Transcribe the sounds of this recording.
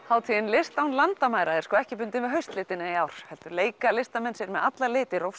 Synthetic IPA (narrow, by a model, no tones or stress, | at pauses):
haːwt̪ʰiðɪnlɪst̪awnlant̪amaːjɾaɛɾ̥skɔːɛhcɪpʏnt̪ɪnvɪɦœɥst̪lɪːt̪ɪnɪjaːwɾ̥hɛlt̪ʏɾleːjkalɪst̪amɛnsɪɾmɛðat̪lalɪːt̪ɪɾowf